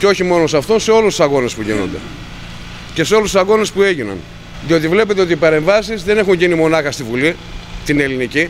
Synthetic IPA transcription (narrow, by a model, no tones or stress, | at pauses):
ceo̞çimo̞nos̬ɐft̪o̞nse̞o̞lust̪u̥sɐɣo̞nespuʝino̞̰nd̪e̞̰ | ce̞seo̞lust̪sɐɣo̞nespue̞ʝinɐ̰n | ðio̞t̪ivle̞pet̪eo̞t̪ipɐɾe̞ɱvɐsizðe̞ne̞xuɲʝinimo̞nɐxɐst̪ivuli | t̪ine̞linici